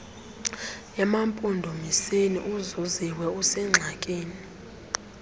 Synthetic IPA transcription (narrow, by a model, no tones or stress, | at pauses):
ɛmampʼundʱomisenḭʔuzoziwɛusɛŋ͡ǁʱakʼeːni